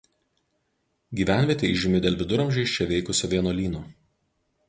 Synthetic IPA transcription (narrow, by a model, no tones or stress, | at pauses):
ɡʲiːʋʲæˑnʲʋʲiɛt̪ʲeɪʒʲɪmʲɪd̪ʲeːlʲʋʲɪd̪ʊɾɐmʲʒʲɛɪʃʲt͡ʃʲɛʋʲɛɪkʊsʲoːʋʲiɛnoːlʲiːnoː